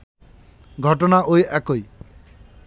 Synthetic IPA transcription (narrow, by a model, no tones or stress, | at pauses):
ɡʱɔʈɔnaʔojɛkoj